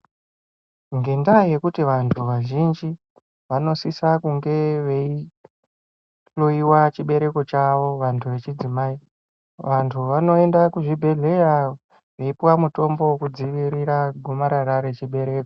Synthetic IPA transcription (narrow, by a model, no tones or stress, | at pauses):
ŋɡe̞ndaje̞kutiʋantʰuʋaʒind͡ʒi | ʋano̞sisakuŋɡe̞ʋe̞i | ɬoiwat͡ʃiɓe̞ɾe̞ko̞t͡ʃaʋo̞ʋantʰuʋe̞t͡ʃid͡zimai | ʋantʰuʋano̞e̞ndakuʐibʱe̞ɮe̞ja | ʋe̞ipiwamuto̞mbo̞wkud͡ziʋiɾiɾaɡʱomaɾaɾaɾe̞t͡ʃiɓe̞ɾe̞ːko